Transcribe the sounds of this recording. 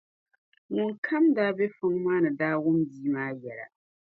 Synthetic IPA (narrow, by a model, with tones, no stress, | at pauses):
nʊ˨ŋkʰa˦mdaː˦be˦fʊ˦ŋmaː˦nɨ˨daː˦wʊ˦mbiː˦maː˦jɛ˨la̰˨